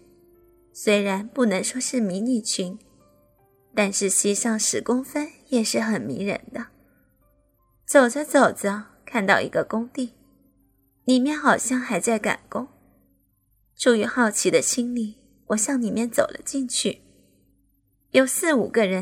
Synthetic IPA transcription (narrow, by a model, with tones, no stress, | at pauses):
swe˥ɪɻa˧˥npu˥˩nɤ˧˥ŋʂwɔ˥ʂɻ̩˥˩mi˧˥ni˥˩t͡ɕʰi˧˥n | t̪a˥˧nʂɻ̩˥˩ɕi˥˧ʂɑ˥˩ŋʂɻ̩˧˥kʊ˥ŋfə˥njɛ˨˩ʂɻ̩˥˩xə˨˩nmḭ˧˥ɻə̰˧˥nd̪ə˧ | t͡so˨˩ʊd͡zə˦t͡so˨˩ʊd͡zə˦kʰa˥˧nt̪ɑ˥˩ʊḭ˧˥ɡə˧kʊ˥ŋt̪i˥˩ | li˨˩mjɛ˥˩nxɑ˨˩ʊɕjɑ˥˧ŋxa˧˥ɪt͡sa˥˩ɪka̰˨˩nkʊ˥ŋ | ʈ͡ʂʰu˨˩y˧˥xɑ˥˩ʊt͡ɕʰi˧˥d̪ə˧t͡ɕʰi˥ŋli˥˩ | wʔɔ˨˩ɕjɑ˥˩ŋni˨˩mjɛ˥˩nt͡so˨˩ʊlə̰˦t͡ɕi˥˧nt͡ɕʰy˥˩ | jo˨˩ʊsɹ̩˥˩u˨˩ɡə˦ɻə˧˥n